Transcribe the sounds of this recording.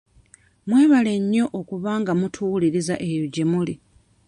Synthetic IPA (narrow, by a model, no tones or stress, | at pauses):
mwe̞ːβale̞ɲːo̞ʔokuβaːŋɡamutʰuliɾizaʔe̞joɟe̞muli